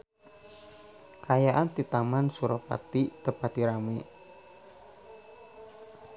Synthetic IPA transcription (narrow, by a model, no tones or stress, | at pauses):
kajaʔant̪it̪amansuɾopa̰t̪it̪əpat̪iɾame